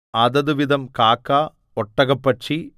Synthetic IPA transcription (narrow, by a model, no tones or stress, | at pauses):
ɐd̪ɐðuʋid̪ɐmkaːkːaː | ɔʈːɐɣɐpːɐt͡ʃːi